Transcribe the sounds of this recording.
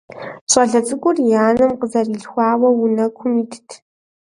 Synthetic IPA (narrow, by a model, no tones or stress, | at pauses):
ɕʷʼɐɮɐt͡sʼɨkʷʼʊrjaːnɨmqəzɐriːɬxʷɑːwɐwʊnɐkʷʰʊmiːtʰtʰ